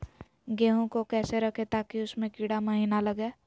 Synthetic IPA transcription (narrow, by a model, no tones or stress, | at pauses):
ɡeːɦõkokɛːseɾəkʰet̪aːkiʊsmẽkiːɽaməɦiːnaləɡeː